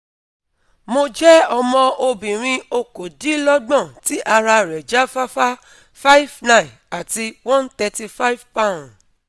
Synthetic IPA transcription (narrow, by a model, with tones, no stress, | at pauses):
mo˧d͡ʒɛ˦ɔ˧mɔ̃˧o˧bĩ˨ɾ̃ĩ˧o˧ko˨di˦lɔ˦ɡ͡bɔ̃˦˨ti˨˦ʔa˧ɾa˧ɾɛ˨d͡ʒa˦fa˦fa˦ | fa˦i˦vnã˦˨ĩ˨n | a˨ti˧wɔ̃˦nt̪ɛ˧ti˧fa˦i˦vpã˦˨